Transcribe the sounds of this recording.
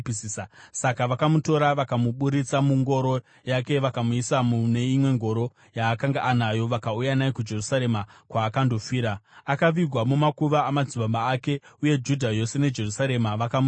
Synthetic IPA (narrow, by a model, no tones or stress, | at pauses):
pisasakaʋakamuto̞ɾaʋakamuɓuɾit͡samuŋɡo̞ɾo̞ | jake̞ʋakamuisamune̞imwe̞ŋɡo̞ɾo̞ | jaːkaŋɡaʔːnajo̞ʋakaujanaekud͡ʒe̞rusaɾe̞makwaːkando̞fiːɾaakaʋiɡʱwamumakuʋaːmad͡ziɓambaːke̞uje̞d͡ʒudʱajo̞se̞ne̞d͡ʒe̞rusaɾe̞maʋakamu